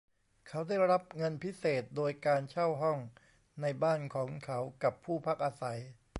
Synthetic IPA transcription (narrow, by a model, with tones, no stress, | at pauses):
kʰa˦˥wda˥˩jɾa˦˥p̚ŋɤ˧npʰi˦˥seː˨˩t̪̚doː˧jkaː˧nt͡ɕʰa˥˩wɦɔ˥˩ŋ | na˧jbaː˥˩nkʰɔː˩˦ŋkʰa˦˥wka˨˩pʰːuː˥˩pʰa˦˥k̚ʔaː˧sa˩˦j